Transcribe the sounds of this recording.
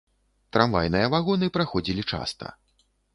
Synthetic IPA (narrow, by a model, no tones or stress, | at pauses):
t̪ɾamva̰jnɨjɐvaɣɔnɨpɾaxɔd͡zʲilʲit͡ʂa̰st̪ɐ̰